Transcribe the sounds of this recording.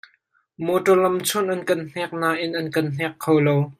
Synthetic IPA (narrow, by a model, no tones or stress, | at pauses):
mɔtɔlɐmt͡sʰʊnʔɐnkɐnn̥ɛk̚naːʔɪnʔɐnkɐnn̥ɛkʰːowlow